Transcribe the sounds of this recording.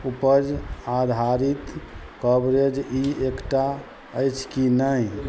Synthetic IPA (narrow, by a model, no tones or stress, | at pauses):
upəd͡ʒad̪ʱaɾit̪ | kəbɾed͡ʒiekʈa | əjt͡ʃʰkinəj